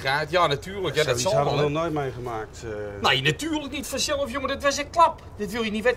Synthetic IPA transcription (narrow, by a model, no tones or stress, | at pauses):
raːtjaːnatyːrlˠəkjaːdɔsɔlˠʋɔlˠnojtmejχəmaːk̚tnejnatyːrləknitfəsɪlˠofjomədɪtʋasɛkklˠap | dɪtʋɪlˠjənitʋɛ